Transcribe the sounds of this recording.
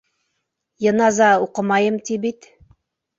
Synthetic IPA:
jɤ̆nɑzɑuqɤmɑjɤmt̪ibit̪

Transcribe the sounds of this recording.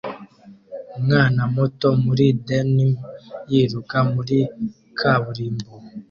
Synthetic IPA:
ŋanamɔtɔmuɾidɛnimjiɾukamuɾi | kʰaβuɾimbo

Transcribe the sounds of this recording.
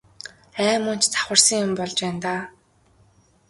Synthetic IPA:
æːmʊn̥t͡ɕt͡sḁχwə̆rsə̆ŋjʊmpɔɮt͡ɕpæːnt̪aː

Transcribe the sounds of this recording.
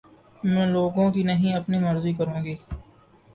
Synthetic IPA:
mɛ̃ːloːɡõkinəɦĩɐpnimɐɾzikəɾũːɡiː

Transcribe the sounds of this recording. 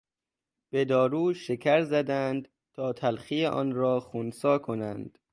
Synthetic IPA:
b̥e̞d̪ɒːɾuːʃekʰæɾzæd̪ænd̪ | t̪ʰɒːt̪ʰælxiːjeʔɒ̰ːnɾɒːxunsɒːkʰo̞nænd̪̥

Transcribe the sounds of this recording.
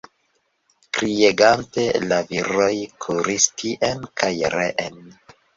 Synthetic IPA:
kɾieɡante̞laviɾojkʰuɾistʰiʔenkʰajɾḛʔen

